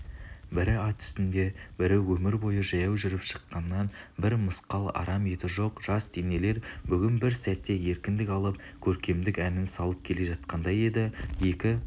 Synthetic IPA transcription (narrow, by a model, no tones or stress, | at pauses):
bɪɾɪɑt̪ʰʏ̥st̪ɪnd̪e̞bɪɾɪwɵmɪɾbo̞jəʒɑjɑwʒʏɾɪpʃə̥qːɑnːɑnbɪɾməsqɑlˠɑ̰ɾɑme̞t̪ɪʒo̞qʒ̥ɑst̪ʰene̞le̞ɾbʏɡʲɪnbɪɾsæt̪ːe̞je̞ɾkʲɪnd̪ɪkʲɑlˠəp̚ | kʲʰɵɾkʲe̞md̪ɪkʲænɪnsɑlˠəp̚kʲʰe̞le̞ʒɑt̪̚qɑnd̪ɑje̞d̪ɪje̞kʲɪ